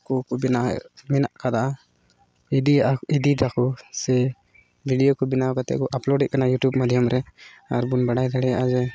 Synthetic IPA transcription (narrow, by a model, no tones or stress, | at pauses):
kɔkɔbina̰minaʔkad̪aʔa | id̪iaid̪iɾakɔsɛ | bʱiɖijokɔbinawkat̪ɛ̰ʔkɔʔaplɔɖɛt̪ʔ̚kanajuʈjubmad̪ʱjɔmɾɛ | aɾbunbaɽajd̪ʱaɽɛjaʔad͡ʒɛ